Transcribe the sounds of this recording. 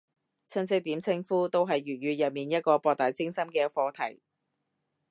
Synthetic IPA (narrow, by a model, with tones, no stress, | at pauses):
t͡sʰɐ˥nsɪ˥k̚t̪iː˨˥mt͡sʰɪ˥ŋfuː˥t̪o˥wɦɐ˨jːyː˨t̚ɥyː˨˧jɐ˨t̚miː˨njɐ˥t̚kɔː˧pɔː˧k̚t̪aː˨jt͡sɪ˥ŋsɐ˥mkɛː˧fɔː˧t̪ʰɐ̰˨˩j